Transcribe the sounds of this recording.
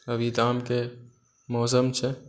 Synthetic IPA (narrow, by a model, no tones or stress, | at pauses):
əbid̪aːmke | mɔːsəmt͡ʃʰɛ